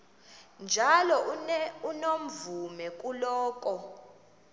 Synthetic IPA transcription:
nd͡ʒʱalɔunom̩vumɛk̬ʼulɔːk̬ʼɔ

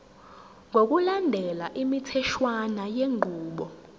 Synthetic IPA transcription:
ŋʱok̬ulandʱɛlaʔimitʰɛʃwanajeŋʱuːɓɔ

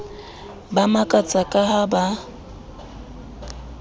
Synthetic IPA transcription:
bamakʼat͡sʼakʼahaba

